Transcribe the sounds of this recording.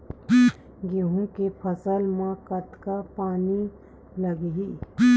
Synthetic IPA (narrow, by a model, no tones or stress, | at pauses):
ɡeɦũkepʰəsəlmãkət̪kapaːni | ləɡɦiː